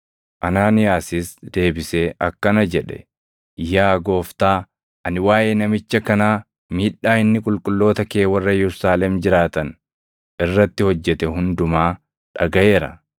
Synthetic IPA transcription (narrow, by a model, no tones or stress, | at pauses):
ʔɐnaːnɪjaːsɪsd̪̥e̞ːbɪseːʔɐkːɐnɐd͡ʒɛᶑɛ̰ | jaːɡo̞ːft̪aː | ɐnɪwaːjeːnɐmɪt͡ʃːɐkɐnaː | miːᶑːaːɪnːɪkʼʊlkʼʊlːo̞ːt̪ɐkeːwɐrːɐjɛɾsaːlɛmd͡ʒɪɾaːt̪ɐn | ʔɪrːɐt̪ːɪhɔd͡ʒːɛt̪ɛɦʊnd̪ʊmaː | ᶑɐɡɐʔe̞ːɾɐ̰